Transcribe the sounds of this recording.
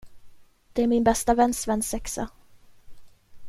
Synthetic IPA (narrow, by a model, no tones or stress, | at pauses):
d̪̥ɛæɾmɪnbɛst̪avɛnːsvɛnːsɛksa̰